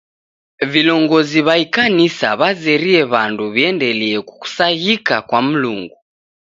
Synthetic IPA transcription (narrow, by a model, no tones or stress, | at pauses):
vilɔŋɡɔziβaikanisa̰βazɛɾiɛβanduβiɛndɛliɛku̥ku̥saɣikakwam̩luŋɡu